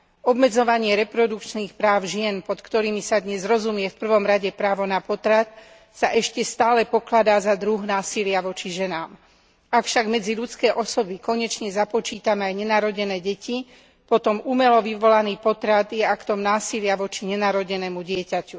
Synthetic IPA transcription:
ɔbmɛd͡zɔʋaɲɪɛɾɛpɾɔd̪ukt͡ʃniːxpɾaːʊʒɪɛnpɔt̪kt̪ɔɾiːmisad̪ɲɛzɾɔzumɪɛfpr̩ʋɔmɾaɟɛpɾaːʋɔnapɔt̪ɾat̪̚ | saʔɛʃcɛst̪aːlɛpɔklad̪aːzad̪ɾuɣnaːsilɪaʋɔt͡ʃiʒɛnaːm | akfʃaɡmɛd͡ziʎut͡skɛːʔɔsɔbikɔɲɛt͡ʃɲɛzapɔt͡ʃiːt̪amɛajɲɛnaɾɔɟɛnɛːɟɛci | pɔt̪ɔmumɛlɔʋiʋɔlaniːpɔt̪ɾat̪jɛakt̪ɔmnaːsilɪaʋɔt͡ʃiɲɛnaːɾɔɟɛnɛːmuɟɪɛcacu

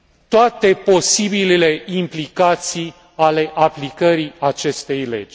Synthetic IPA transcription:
t̪oat̪e̞po̞sibilele̞implikat̪sij | ale̞ʔaplikəɾiat͡ʃe̞st̪e̞jlḛd͡ʒʲ

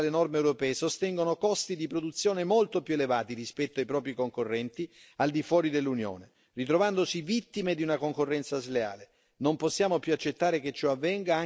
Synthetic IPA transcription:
lenɔrmeːwɾopɛːesost̪ɛŋɡonokɔst̪id̪ipɾod̪ut̪sːjoːnemolt̪opjuelevaːt̪irispɛt̪ːoajpɾɔːpɾikoŋkorːɛnt̪i | ald̪ifwɔːɾid̪elːunjo̰ːne | rit̪ɾovand̪osivit̪ːimed̪iunakoŋkorːɛnt̪sazlea̰ːle | nomposːjaːmopjuat͡ʃːet̪ːaːɾeket͡ʃːoavːɛŋɡaa

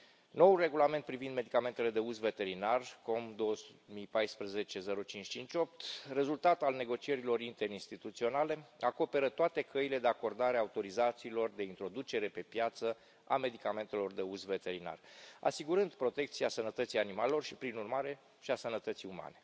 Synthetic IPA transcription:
no̞wulre̞ɡulame̞nt̪̚pɾivind̪me̞d̪ikame̞nt̪e̞le̞d̪e̞uzve̞t̪e̞ɾinarko̞md̪o̞wəsumijpajspɾəze̞t͡ʃe̞ze̞ɾot͡ʃint͡ʃʲt͡ʃint͡ʃʲo̞p̚t̪re̞zult̪at̪alne̞ɡo̞t͡ʃie̞ɾilo̞ɾint̪e̞ɾinst̪it̪ut̪sio̞nale̞ako̞pe̞ɾət̪oat̪e̞kʰəile̞d̪e̞ako̞rd̪aɾeaut̪o̞ɾizat̪siːlo̞rd̪e̞int̪ɾo̞d̪ut͡ʃe̞ɾe̞pe̞pjat̪sə | ame̞d̪ikame̞nt̪e̞lo̞rd̪e̞uzve̞t̪e̞ɾina̰ra̰siɡuɾɨnd̪pɾo̞t̪e̞kt̪siasənət̪ət̪sijanimale̞lo̞rʃipɾinurmaɾe̞ | ʃiasənət̪ət̪siuma̰ne̞

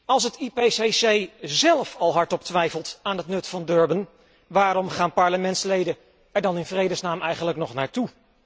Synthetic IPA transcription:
ɑlˠs̬ətipeːsesejzɛlˠfɑlˠɦɑɹtɔptʋɛjfəlˠtaːnɦətnɵtfɑndøɹbən | ʋaːɾɔmχaːnpɑɹləmɛntslejdə | ɛɹdɑnɪnvrejdəsnaːmɛjχənləknɔχnaːɹtu

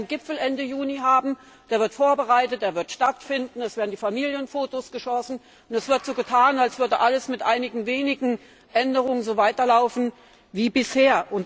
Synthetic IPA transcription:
nɡɪpfl̩ʔɛndəjuːniɦaːbm̩ | d̥eːɐvɪɐtfoːɐbəʁaɪtət̚d̥eːɐvɪɐtʃtatfɪndn̩ɛsv̥eːɐdn̩diːfamiːljənfoːtosɡ̥əʃɔsn̩ | ʊnɛsv̥ɪɐtz̥oːɡətʰaːnalsv̥ʏɐdəʔaləsmɪtʔaɪnɪɡŋ̩veːnɪɡŋ̩ | ʔɛndəʁ̞ʊŋənzoːvaɪtɐlaʊfn̩ | viːbɪsheːɐʔʊnt

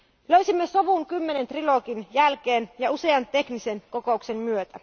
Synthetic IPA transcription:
løysimːeso̞ʋuŋkymːene̞nt̪riloːkinjælk̟eːnjɑuse̞ɑnt̪e̞knise̞nko̞ko̞ukse̞mmyøt̪æ

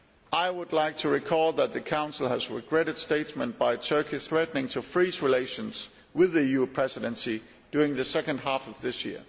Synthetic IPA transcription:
aɪwʊdˡlaɪk̚tʰɨɹɨkʰɔlˠðət̪̚ðɨkʰãʊ̃nsl̩ˠəzɹɪɡɹɛɾɨd̥steɪtsmə̃nb̥aɪtʰɜ˞kʰiθɹɛtnɪ̃ŋtʰəfɹizɹɪleɪʃɨ̃nz̥ | wɪðɨjʉpʰɹ̥ɛzɨɾɨ̃nsi | d̥jʊɹɪ̃ŋðɨsɛkɨ̃nd̚ɦæfʌvðɪsjɪ̰əɹ

